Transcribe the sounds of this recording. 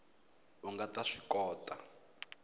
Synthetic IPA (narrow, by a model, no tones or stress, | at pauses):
uŋɡataʂikɔːtʼa